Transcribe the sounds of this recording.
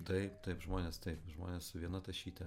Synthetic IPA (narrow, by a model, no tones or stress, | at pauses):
t̪ɐɪpt̪ɐɪpʒmoːnʲeːst̪ɐɪpʒmo̰ːnʲeːssʊʋʲiɛnɐt̪ɐʃʲiːt̪ʲɛ